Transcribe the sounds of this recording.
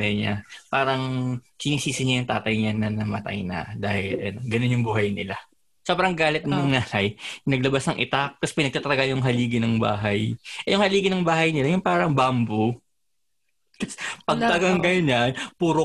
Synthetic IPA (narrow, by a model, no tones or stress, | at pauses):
ɛɲa̰paːɾɐŋkɪnisiːsɪɲɐjʊŋt̪aːt̪ɐjɲanɐnɐmɐt̪a̰jnɐ̰d̪aːhɪlʔɐ̰noɡɐnonjʊŋbuːhɐjnɪla | soːbɾɐŋɡaːlɛt̪̚nɐʊŋnaːlajnɐɡ̚lɐbasnɐŋʔɪt̪ak̚t̪ɐspɪnɐɡ̚t̪at̪ɐlɐɡajʊŋɦɐliːɡɪnɐŋba̰ːɦɐjʔɛjʊŋhɐliːɡɪnɐŋbaːɦɐjnɪlajʊŋpaːɾɐŋbambo | k̪ɐsɛpɐɡ̚t̪ɐɡaŋɡɐjɲanpuːɾo